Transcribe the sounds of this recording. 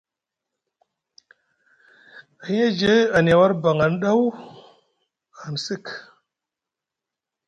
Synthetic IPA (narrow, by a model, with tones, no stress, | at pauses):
i˦e˦d͡ʒe˦a˨n˨a˨wa˦ɾba˨ŋa˨nɗa˦w | a˨nsi˦k